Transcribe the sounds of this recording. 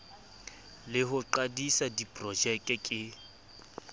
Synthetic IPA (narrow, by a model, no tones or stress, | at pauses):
lɪɦʊǃadisadipʼrɔd͡ʒɛkʼɛkʼɪ